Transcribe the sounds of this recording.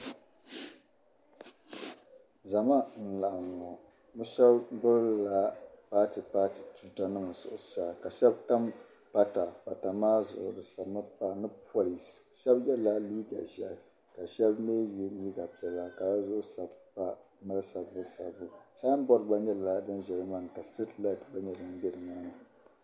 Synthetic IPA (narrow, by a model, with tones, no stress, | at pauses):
za˨ma˦n̩˨la˨ʔa˨mɔ˨ | nɨ˦ʃɛ˦bbʊ˦lla˦paː˦ti˨paː˦ti˨tu˨ta˦nɨ˦ma˨zʊ̰˨ʔʊ˨ʃa˨ka˨ʃɛ˦bta˦m | pa˦ta˨pa˨ta˨maː˦zʊ̰˨ʔʊ̰˨dɨ˨sa˨bmɨ˦pa˦nɨ˦pʰo˦li˨sʃɛ˦bjɛ˦la˦liː˦ɡa̰˨ʒɛ˦˨ | ka˨ʃɛ˦bmeː˦˨i˦li˦ɡa˨pɛ˨la˦ka˨la˦zʊ˦ʔʊ˦sa˨bpa˦ | mɨ˦lɨ˦sa˨bɨ˦sa̰˨bu˨saː˦n˦bɔ˦ɾba˦ɲɛ˦la˨dɨ˦nʒɛ˨lɨ˦maː˦˨nɨ˨ka˨ste˦tla˦˨tba˦ɲɛ˦dɨ˨n˦bɛ˦dɨ˨maː˦nɨ˨